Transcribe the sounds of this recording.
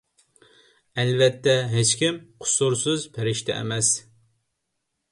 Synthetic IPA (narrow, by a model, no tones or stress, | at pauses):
ɛlvɛt̪ʰːɛɦet͡ʃkʲimqʰʊ̥suɾsɨzpʰeɾɪʃt̪ʰɛ̰ɛ̰mɛs